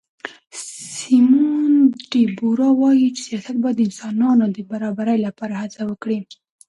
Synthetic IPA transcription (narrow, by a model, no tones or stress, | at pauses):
simunɖibuɾɑwɑjit͡ʃe̥sijɑsat̪̚bɑd̪əɪnsɑnɑnod̪əbaɾɑbaɾəjlapɑɾahat͡sawəkɽi